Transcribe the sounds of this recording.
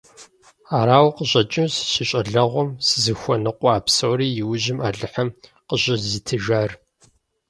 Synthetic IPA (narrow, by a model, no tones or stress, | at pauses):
aːɾaːwqəɕʼɐt͡ʃʼɪmsɕɪɕʼɐɮɐʁʷɔmsɨzɨxʷɔnɨqʷɔaːpsowriːjɪwʊʑɪmaːɮɨħɐm | qəʑɐzitʰɨʒaːr